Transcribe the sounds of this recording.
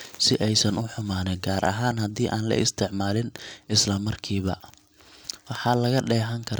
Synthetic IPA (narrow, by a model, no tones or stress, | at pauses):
sɪʔɛjsɐnʔʊħʊmaːnɛɡaːɾʔɐ̰ɦaːnhɐd̪iːʔaːnlɐ̰ʔɪ̰st̪ʰɪʕmaːlɪnɪslɐmɐrkʰiːβɐ̰ | wɑħɑːlɐɣɐɖɛːɦɐŋkʰɐɾ